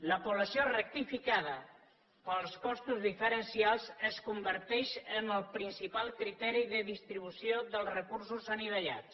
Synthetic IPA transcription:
ləpuβləsiorək̚t̪ifikaðə | pəlˠskɔst̪uzðifəɾənsialˠzəskumbəɾt̪ɛʃəməlˠpɾinsipalˠkɾit̪ɛɾiðəðist̪ɾiβ̞usijoðəlˠzrəkursuzəniβ̞əʎa̰t͡s

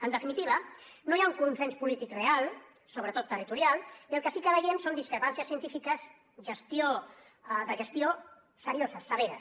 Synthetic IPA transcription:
ənd̪əfinit̪iβ̞ənojauŋkunsenspulit̪ikrealˠ | soβɾət̪ot̪ːərit̪uɾialˠiəlˠkəsikəðəɣɛmsond̪iskɾəpansiəsiənt̪ifikəz | ʒəst̪io | ðəʒəst̪io | səɾiozəsːəβeɾəs

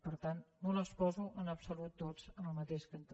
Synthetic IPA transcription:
pəɾt̪annoləspɔzuʔənəpsulut̪̚ːod͡zənəlˠmət̪eʃkənt̪

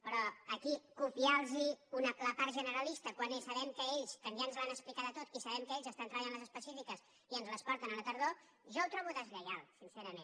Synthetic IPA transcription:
pɾɔəkikupialˠziunələpaɾt̪ʒənəɾəlist̪əkwanesəβɛmkəeʎskənʒanzlanəsplikaðət̪ot̪isəβɛmkəeʎzəst̪ant̪ɾəβəʎanləzəspəsifikəs | iənzləspɔɾt̪ənələt̪əɾðo | ʒɔwt̪ɾɔβuðəzʎəɣalˠsinsɛɾəmen

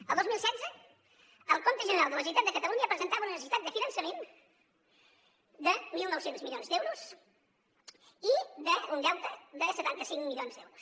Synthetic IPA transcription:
əlˠd̪ozmilˠsɛdzə | əlˠkont̪əʒənəɾalˠd̪ələs̬iwt̪at̪̚d̪əkət̪əluɲəpɾəzənt̪aβunənəsəsit̪at̪̚d̪əfinənsəmen | d̪əmilˠnɔwsenzmiljonzd̪ɛwɾus | iðəund̪ɛwt̪əðəsət̪ant̪əsiŋmilʎionzðɛwɾus

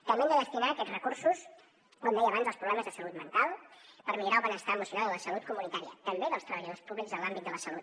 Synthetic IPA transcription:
k̪əmɛnd̪əðəst̪inaːkɛtd͡zrəkursus | kond̪ɛjəβanzəlˠspɾuβlɛməzðəsəlut̪mənt̪alˠpəɾmiluɾalˠβənəst̪aəmusiunaðələsəlut̪̚kumunit̪aɾiə̰t̪əmbeðəlˠst̪ɾəβəʎəðospuβlikzəlambit̪d̪ələsəlut̪

